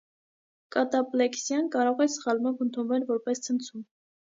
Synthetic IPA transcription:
kɑt̪ɑplɛksjɑnkɑɾɔʁɛsχɑlmɑvənt̪ʰunvɛlvɔɾpɛst͡sʰənt͡sʰum

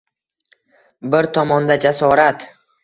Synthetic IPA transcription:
bɪɾt̪ʰɒmɒnd̪ad͡ʒasɒɾat̪

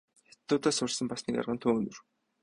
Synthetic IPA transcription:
xe̥t̪ːʊːt̪aːsʊɮsə̆mpasniːka̰rʁə̆nt̪ʰʊːɵnɵ̆r

